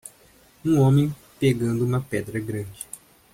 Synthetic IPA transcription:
ũõmẽj̃ | peɡɐ̃nd̪ʊũmɐpɛd̪ɾɐɡɾɐ̃d͡ʒɪ

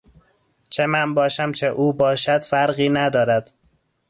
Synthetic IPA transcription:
t͡ʃʰemænbɒːʃæmt͡ʃʰeʔuːbɒːʃæd̪̥fæɾɢiːnæd̪ɒːɾæd̪̥

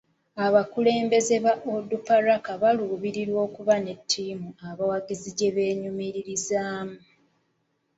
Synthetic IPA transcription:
aβakule̞ːmbe̞ze̞βaʔodupaɾakaβaluːβiɾiɾwo̞ːkuβane̞tʰːiːmuaβawaɡiziɟe̞βe̞ːɲumiɾiɾizaːmu

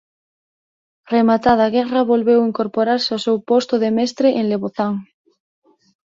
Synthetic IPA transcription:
remat̪að̞aɣɛraβolβewiŋkoɾpoɾaɾseosewpost̪oðemest̪ɾeʔeŋleβoθaŋ

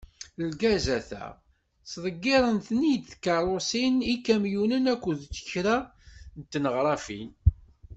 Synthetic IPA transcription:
lɡæzæθæ̰ | sðˤəɡːɪɾˤənθnid̪θkːɑɾˤosinikːæmjunənækʷːuðt͡sːə̥çɾænt̪ːnəʁɾˤɑfḭn

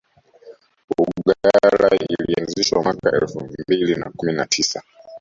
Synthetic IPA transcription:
uɠaɾa̰ilianziʃwamwakaɛlfubilina̰kuminatʰisa

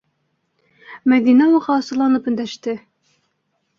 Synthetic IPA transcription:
mæɡ̪inɑwuʁɑːsɤ̆lˠɑnɤpɵ̆nd̪æʃt̪ɘ

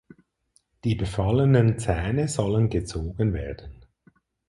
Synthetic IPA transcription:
d̥iːbəfɑlənənt͡sɛːnəzɔlənɡət͡soːɡənveːɐdən̩

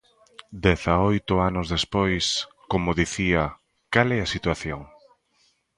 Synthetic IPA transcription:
d̪ɛθaojt̪ʊanʊzðespojs | komʊðiθiɐ | kalɛɐsit̪waθjoŋ

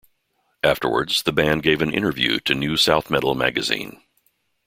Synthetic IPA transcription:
ʔæftə̰˞wə̰˞dz̥ðɨbæ̃nɡeɪvɨ̃nɪ̰̃ɾ̃ə˞vjʉ̰ɾɨnʉsaʊθmɛɾl̩ˠmæ̰ɡɨzḭ̃n

